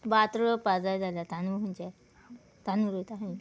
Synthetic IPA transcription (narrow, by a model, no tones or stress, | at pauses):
bat̪ɾəpad͡zajd͡zalat̪anuɦunt͡ɕɛ | t̪anuɾot̪aɦĩ